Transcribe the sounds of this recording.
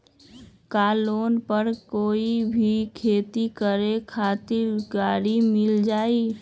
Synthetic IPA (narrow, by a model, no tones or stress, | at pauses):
kaːloːnpəɾkoːibʱikʰeːt̪ikəɾekʰaːt̪ɪɾɡaːɾimɪld͡ʒaːi